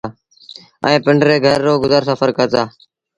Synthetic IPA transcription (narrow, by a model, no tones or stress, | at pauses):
ɛ̃ːpɪɳɖɾeːɡʱəɾːoːɡʊzəɾsəfəɾkəɾt̪aː